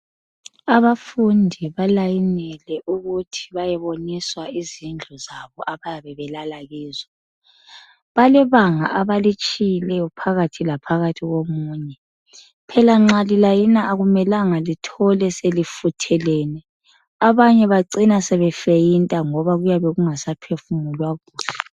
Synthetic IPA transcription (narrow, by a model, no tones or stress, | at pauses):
aβafundʱiβalajinɛlɛʔuɣutʰi̥βajɛβoniswaizind͡ɮʱɔzaβɔʔaβajaβɛβɛlalaɣiːza | βalɛβaŋa̰ʔaβalit͡ʃʼijilɛjɔpʰaɣatʰilapʰaɣatʰiɣomuːɲɛ | pʰɛlaŋ͡ǁalilajinaʔaɣumɛlaŋalitʰɔlɛselifutʰɛlɛːnɛ | aβaɲɛβaǀinasɛβɛfejintʼaŋɔβaɣujaβɛɣuŋasapʰefumulwaɣuːsɛ